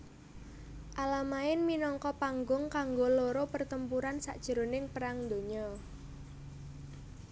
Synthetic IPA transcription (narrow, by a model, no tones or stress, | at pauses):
ʔalamaɪnminɔŋkɔpaŋɡʊŋkaŋɡoloɾopərt̪əmpuɾansa̰ʔd̥ʒ̥ə̤ɾo̤nɪŋpəɾaŋd̪o̤ɲɔ